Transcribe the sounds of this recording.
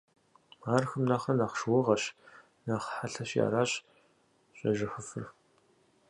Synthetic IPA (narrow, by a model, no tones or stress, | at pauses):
aːrxɨmnaːχɐnaːχʃwʊʁɐɕ | naːχħaɬɐɕja̰ːɾaːɕʼ | ɕʼɐʒɪxʊfɨ̰r